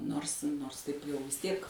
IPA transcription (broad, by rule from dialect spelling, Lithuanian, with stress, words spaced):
ˈnoːrs ˈnoːrs tɐɪp jɛʊ ʋʲɪs ˈtʲiɛk